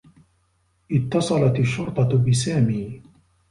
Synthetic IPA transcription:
ʔɪt̪ːɑsˤɑlɑt̪aʃːʊɾt̪ˤɑbɪsaːmiː

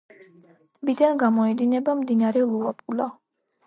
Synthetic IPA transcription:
t̪ʼbid̪anɡamɔɛd̪inɛbamd̪inaɾɛlˠuapʼula

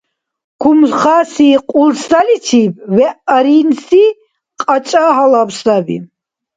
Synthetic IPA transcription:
kʰumχaːsiːqʼulsalit͡ʃʰiːbvɛʔɾinsi | qʼat͡ʃʼaɦalabsabḭ

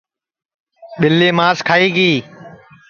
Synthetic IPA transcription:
ɓɪlːeːmaːskʰaːiːɡiː

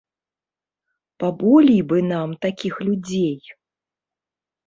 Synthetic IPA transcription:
pabɔlʲijbɨnamt̪akʲixlʲud͡zʲej

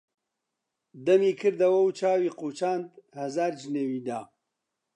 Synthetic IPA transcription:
d̪ɐmiːkʰɨɾd̪ɐwɐwt͡ʃʰaːwiːquːt͡ʃaːnd̪hɐzaːɾd͡ʒɨneːwiːd̪aː

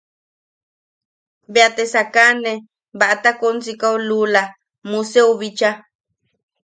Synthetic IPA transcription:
beat̪esakanẽ | βaʔat̪akont͡sikaulula | mũseuβit͡ʃa

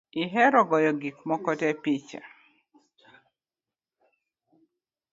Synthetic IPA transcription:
iɦɛɾɔɡɔjɔɡikmɔkɔtɛpit͡ʃa̰

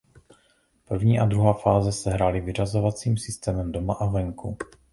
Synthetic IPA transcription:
pr̩vɲiːʔad̪ɾuɦaːfaːzɛsɛɦɾalɪvɪr̝azo̞vat͡siːmsɪst̪ɛːmɛmdo̞maʔavɛŋku

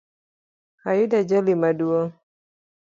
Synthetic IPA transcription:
hajidad͡ʒalimaduɔ

